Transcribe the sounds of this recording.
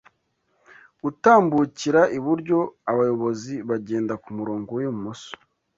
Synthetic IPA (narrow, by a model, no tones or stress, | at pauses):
ɡutaːmbuciɾaʔiβuɾɟo̞aβajo̞βo̞ziβaɟe̞ːndakumuɾoːŋɡowjomumuso̥